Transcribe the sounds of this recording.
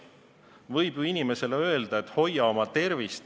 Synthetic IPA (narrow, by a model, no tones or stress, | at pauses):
vɤjb̥jinʲime̞se̞leø̞eld̪̥ɑe̞t̪ːˑho̞jːɑo̞mɑt̪e̞rvist̪